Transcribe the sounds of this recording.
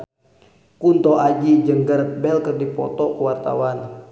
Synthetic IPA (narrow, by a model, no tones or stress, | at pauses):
kunt̪ɔʔad͡ʒid͡ʒəŋɡər̚bɛlkərdipɔ̰t̪ɔkəwart̪a̰wan